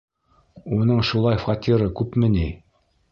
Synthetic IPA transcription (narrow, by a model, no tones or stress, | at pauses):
unɤɴʃulˠɑjfɑt̪ʲiɾɤkʉpmɘ̆ni